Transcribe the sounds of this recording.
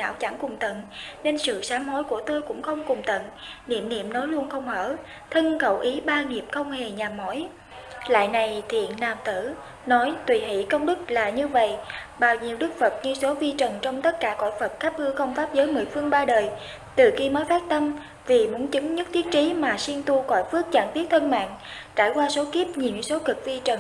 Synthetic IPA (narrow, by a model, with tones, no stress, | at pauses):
a̰ː˧˩wt͡ɕa˧˩ŋkʊ˨˩ŋ͡mt̪ə̰˧˨nne˧nsɨ̰˧˨saː˨˦ŋho˨˥˦jku˧˩ət̪o˧jkʊ̰˧˥ŋ͡mxə˧wŋ͡mkʊ˨˩ŋ͡mt̪ə̰˧˨nnḭ˧˨əmnḭ˧˨əmnɔ˨˦jlu˧ənxə˧wŋ͡mhəː˧˩ | t̪ʰə˧nkə˧˩wʔi˨˦ɓaː˧ni˨˩əp̚xə˧wŋ͡mhe˨˩ɲaː˨˩mːɔ˧˥j | la̰ː˧˨jna˨˩jt̪ʰḭ˧˨ənnaː˨˩mt̪ɨ˧˩ | nɔ˨˦jt̪wi˨˩ɦḭ˧˩kə˧wŋ͡mɗɨ˦˥k̚laː˨˩ɲɨ˧və̰˧˨jʔ | ɓaː˨˩wɲi˨˩əwɗɨ˦˥k̚fə˨˩t̚ɲɨ˧so˨˦vi˧t͡ɕə˨˩nt͡ɕɔ˧wŋ͡mt̪ə˦˥t̚kaː˧˩kɔ̰˧˩˨jfə˨˩t̚xaː˦˥p̚ʔɨ˧əxə˧wŋ͡mfaː˦˥p̚zəː˨˦jmɨ̰˧˨˩jfɨ˧əŋɓaː˧ɗəː˨˩j | t̪ɨ˨˩xi˧məː˨˦jfaː˦˥t̚t̪ə˧m | vi˨˩mu˨˦ənt͡ɕɨ˨˦ŋɲɨ˦˥t̚t̪ʰi˦˥ət̚t͡ɕi˨˦maː˨˩si˧nt̪u˧kɔ̰˧˩jfɨ˦˥ək̚t͡ɕaː˧˩ŋt̪i˦˥ət̚t̪ʰə˧nma̰ː˧˨ŋt͡ɕa̰ː˧˩jkwaː˧so˨˦ki˦˥əp̚ɲi˨˩ŋ˨˦so˨˦kɨ˨˩k̚vi˧t͡ɕə˨˩n